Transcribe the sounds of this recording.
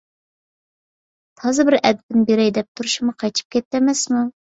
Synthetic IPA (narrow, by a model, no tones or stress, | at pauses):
t̪ʰɑzɨbɪɾɛd̪̚bɪnbeɾɛjd̪ɛp̚t̪ʰuɾuʃumʊqʰɑjt͡ʃ̪ʰɨ̥p̚kʲʰɛt̪ːɛmɛsmu